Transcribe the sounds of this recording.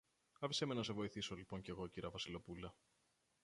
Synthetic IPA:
ɐfisemenɐs̬evo̞iθisolipo̞ɲce̞ɣo̞ciɾɐvɐsilo̞pulɐ

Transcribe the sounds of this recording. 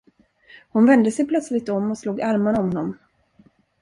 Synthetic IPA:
hʊnvɛnd̪əsɛjpʰlœt̪slɪɡ̚t̪ɔmːɔsluːɡaɾmaɾɔmnɔm

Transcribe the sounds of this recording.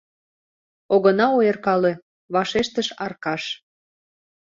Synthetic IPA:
oɣənɑojerkɑle | βɑʃeʃt̪əʃɑrkɑʃ

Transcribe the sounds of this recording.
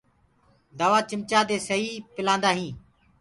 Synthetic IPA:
d̪aːʋaːt͡ʃɪmt͡ʃaːd̪eːsəiːpɪlãːnd̪aːɦĩː

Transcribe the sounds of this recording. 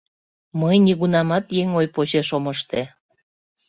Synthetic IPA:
məjniɣunɑmɑt̪jeŋojpot͡ɕeʃoməʃt̪e

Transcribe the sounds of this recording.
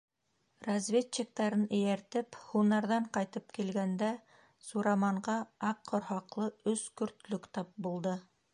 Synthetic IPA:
rɐzvʲett͡ɕːik̚t̪ɑɾɤnɘ̆jæɾt̪ɘphunɑɾðɑɴqɑjt̪ɤpkilɡænd̪æ | suɾɑmɑɴɢɑɑqːŏɾhɑqlˠɤɵskɵ̆ɾt̪lɵkt̪ɑp̚bulˠd̪ɤ

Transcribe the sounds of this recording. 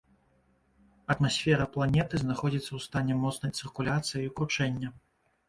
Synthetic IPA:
ɐt̪masʲfʲɛɾɐplˠanʲɛt̪ɨznaxɔd͡zʲit̪sːɐwst̪anʲɛmɔt̪snɐjt̪sɨrkulʲat̪sɨjiukɾut͡ʂɛnʲːɐ

